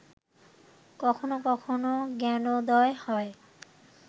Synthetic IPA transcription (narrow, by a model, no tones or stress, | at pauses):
kɔkʰonokɔkʰonoɡɛnod̪ɔehɔe